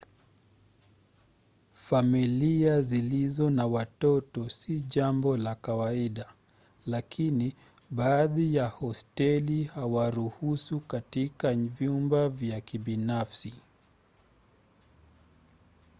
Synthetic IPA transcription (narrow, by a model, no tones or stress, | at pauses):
familiazilizɔnawatɔtɔsiʄambɔlakawaiɗa | lakini | ɓaːðijahɔstɛlihawaɾuhusukatikavjumbavjakiɓinafsi